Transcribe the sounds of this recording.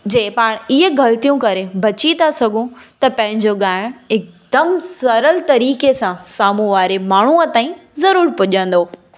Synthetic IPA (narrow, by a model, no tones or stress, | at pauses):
d͡ʑeːpaːɽ̃iɦəɡɐlt̪ijũkɐɾebɐt͡ɕit̪asɐɡʱũt̪ɐpɐ̃ɦɪ̃ɲd͡ʑoɠaːɪɽ̃ɪk̚d̪̥ɐmsɐɾəlt̪ɐɾiːkesãsaːmũʋaːɾemaːɳ̤uət̪aːĩzɐɾuːɾpʊʄə̃n̆d̪oː